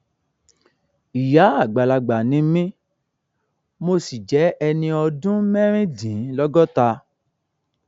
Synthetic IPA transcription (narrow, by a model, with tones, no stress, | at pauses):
i˨ja˨˦a˦˨ɡ͡ba˨la˧ɡ͡ba˨nĩ˨˦mĩ˦ | mo˧si˨d͡ʒɛ˨˦ɛ˧nĩ˧ɔ˧dũ˦mɛ̃˦ɾ̃ĩ˦dĩ˨˦lɔ˦ɡɔ˦ta˧